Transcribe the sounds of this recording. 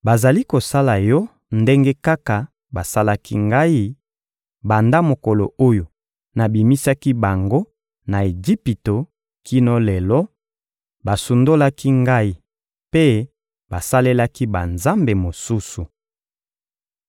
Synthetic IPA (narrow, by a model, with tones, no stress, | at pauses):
ba˨za˨li˦ko˨sa˦la˨jɔ˦ | nde˦ŋɡe˦ka˦ka˨ | ba˨sa˦la˦ki˦ŋɡa˦i˦ | ba˨nda˦mo˨kɔ˨lo̰˨o˦jo˨ | na˨bi˨mi˦sa˦ki˦ba˨ŋɡo˦ | na˨e˨d͡ʒi˦pi˨to˨ | ki˦nɔ˦lɛ˨lɔ˦ | ba˨su˨ndo˦la˦ki˦ŋɡa˦i˦ | pe˦ | ba˨sa˦le˦la˦ki˦ba˨nza˦mbe˨mo˨su˦su˨